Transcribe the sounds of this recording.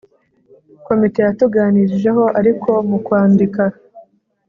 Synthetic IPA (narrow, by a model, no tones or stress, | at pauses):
ko̞mite̞jatuɡaːniɾiʒe̞ɦo̞ʔaɾikʰo̞mukwaːndika